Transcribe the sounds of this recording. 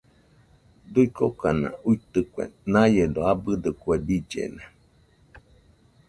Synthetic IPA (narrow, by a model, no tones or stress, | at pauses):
d̪uikokanã̰uit̪ɨkʷḛnãjed̪oabɨd̪ɨkwebid͡ʒḛnã